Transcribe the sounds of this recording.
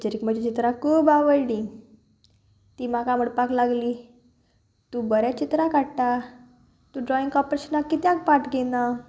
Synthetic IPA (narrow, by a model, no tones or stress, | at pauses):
t͡ɕəɾikm̤əd͡ʑat͡ɕit̪ɾãkʰuːbaʋəjɽi | t̪iːm̤akaməɽpaklaɡliː | t̪ũbəɾjat͡ɕit̪ɾakaɽʈa | t̪ũɖɾɔĩŋɡkɔpɾeɕənakːit̪jãk̚paʈɡena